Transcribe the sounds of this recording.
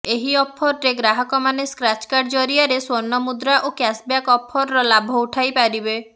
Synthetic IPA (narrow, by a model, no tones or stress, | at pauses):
eɦiɔpʰːɔɾɔɾeɡɾaɦɔkɔmaneskɾat͡ʃkaɖd͡ʒɔɾiaɾeswɔnːɔmud̪ɾaʔokjasbjakɔpʰːɔɾɔɾɔlabʱɔuʈʰajpaɾibe